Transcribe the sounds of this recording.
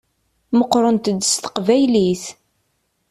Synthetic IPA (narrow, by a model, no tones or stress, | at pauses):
məqːɾˤənt̪əd̪ːəst̪ə̥qvæjliθ